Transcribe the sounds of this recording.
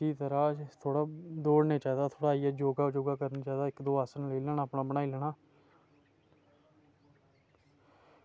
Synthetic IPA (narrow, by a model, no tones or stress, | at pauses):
iːt̪əɾaːt̪ʰoːɽaːd̪oːɽneːt͡ʃaːiːd̪aːt̪ʰoːɽaːiːaːd͡ʒoːɡaːd͡ʒoːɡaːkəɾniːt͡ʃaːd̪aːɪkd̪oːaːsənləiːlɛːnaːpnaːbənaːilɛːɽaː